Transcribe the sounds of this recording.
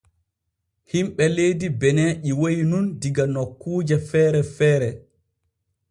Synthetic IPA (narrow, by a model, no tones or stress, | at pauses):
himɓɛlejdibɛnɛʔiwojnundiɡanɔkːuːd͡ʒɛfɛːɾɛfɛːɾɛ